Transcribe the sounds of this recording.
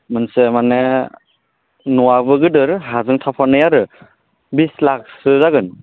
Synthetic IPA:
mɯnsemane | nuwabɯɡɯdɯɾɦazɯŋtʰapʰaɾnɯjaɾɯ | bislak̚sɯzaɡɯn

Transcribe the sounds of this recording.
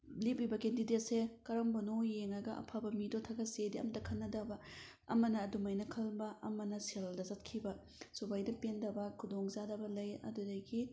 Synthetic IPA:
lip̚libɐkendidet̚sekɐɾɐmbɐnojeŋɐɡɐɐ̰pʰabɐmidotʰɐɡɐsediɐ̰mtɐkʰɐnːɐdɐbɐ | ɐ̰mɐnɐːdumɐjnɐkʰɐlbɐʔɐmɐnɐselldɐzɐt̚kʰibɐ | subajdɐpendɐbɐkʰudoŋzadɐbɐlɐjɐ̰dudɐɡi

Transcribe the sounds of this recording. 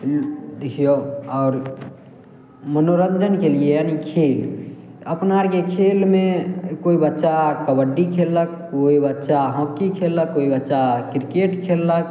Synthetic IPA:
d̪ikʰijoɔːɾ | mənoɾənd͡ʒənkeliejanikʰeːləpnaɾkekʰelmẽkoibətːʃakəbəɖːikʰelːək̚ːoibətːʃaɦɔ̃kːikʰelːəkːoːibətːʃakɾkeʈkʰelːək̚

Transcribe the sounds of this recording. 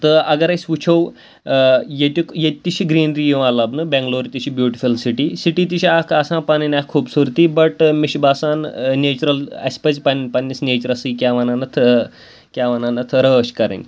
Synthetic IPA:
t̪əɐɡɐɾɐsʲʋut͡ʃʰow | jet̪ʲikjet̪ːiɕiɡɾiːnɾijeʋalɐbnɨbɛ̃ŋɡloːɾit̪iɕʰibjuːʈifulsiʈisiʈit̪̬iɕiakʰɐsãːpaninʲakʰːuːbsuɾt̪iːbɐʈmiɕbaːsaːnneːt͡ʃuɾɐlɐ̰spɐt͡spɐnpɐnʲːisnʲeːt͡ʃuɾɐsɨkʲaʋananɐt̪ʰ | kʲjaʋananɐt̪ʰɾəːɕkɐɾə̰nʲ

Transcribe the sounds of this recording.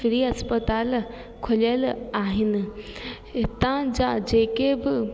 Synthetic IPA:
fɪɾiɐspət̪aːl | kʰʊləlaːɦɪnɪ̆ | ɪt̪ãd͡ʑad͡ʑeːkebɪ

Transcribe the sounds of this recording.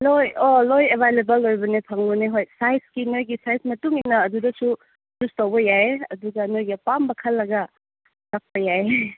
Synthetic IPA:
lojolojebʱajlebɐlːojbɐnepʰaŋloneɦojsajskinojɡisajsmɐtuŋinɐːdudɐsu | dustowbɐjaeɐ̰duɡɐnojɡɐpambɐkʰɐlːɐɡɐ | lak̚pɐjae

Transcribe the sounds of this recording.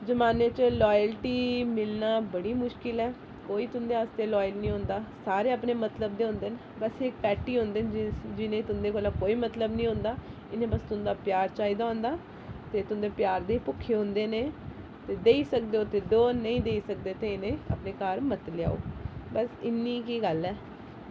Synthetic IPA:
d͡ʒəmaːneːt͡ʃəlɔːjəlʈiːmɪlnaːbəɽiːmʊʃkɪlɛː | koːiːt̪ʊnd̪eːaːst̪eːlɔːjəlnĩːɦõːnd̪aːsaːɾeːəpneːmət̪ləbd̪eːɦʊ̃nd̪eːn | bəsɪkpɛːʈːiːɦõnd̪eːnd͡ʒɪnẽːt̪ʊnd̪eːkoːlaːkoːiːmət̪ləbnĩːɦõnd̪aː | ɪnẽːbəst̪ʊnd̪aːpɪjaːɾt͡ʃaːiːd̪aːõːnd̪aː | t̪eːt̪ʊnd̪eːpjaːɾd̪eːpʊkʰːeːɦʊ̃nd̪eːneː | t̪eːd̪eːiːsək̚d̪eoːt̪eːɖoːnəĩːd̪eːiːsək̚d̪eːt̪eːɪnẽːə̰pneːkaːɾmət̪lɪja̰ːo̰ːbəsɪnːiːkiːɡəlɛː

